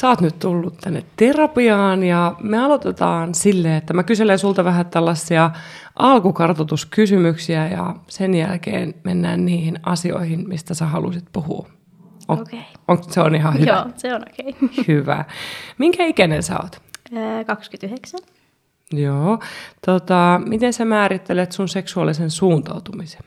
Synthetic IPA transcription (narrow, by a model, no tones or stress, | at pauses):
sæɑːt̪nyt̪t̪ulːut̪t̪ænːet̪terɑpiɑːnjɑmeɑlot̪et̪ɑːnsilːeet̪ːæmækyselensult̪ɑʋæɦæt̪ælːɑsːiɑʔɑlkukɑrt̪ɑt̪uskysymyksiæjɑ̰senjælkḛːnmenːæ̰ːnniːhinɑsio̞̰ihinmist̪æsæhɑlṵsit̪puhṵː | o̰okeioŋkseoniɦɑhyseonokeihyʋæ̰miŋkæikænensæ̰o̰ːt̪ːkɑkskyt̪yheksæn | joːt̪ot̪ɑmit̪ensæmæːɾit̪ːelet̪sunseksuɑlːisensuːnt̪ɑ̰ut̪umise̥n